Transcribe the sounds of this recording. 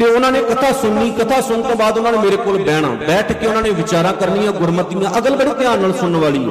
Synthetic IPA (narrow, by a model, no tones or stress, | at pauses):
t̪eːʊnãːneːkət̪ʰaːsʊnːiːkət̪ʰaːsʊnt̪õːbaːd̪ʊnãːneːmeːɾeːkoːlbɛːɽ̃ã̰ːbɛːʈʰkeʊnãːneːʋɪt͡ʃaːɾãːkəɾnijãːɡʊɾmət̪ːɪjãːʔəɡəlbəɽiːt̪ɪãːnəːlsʊnːʋaːliːo̰ː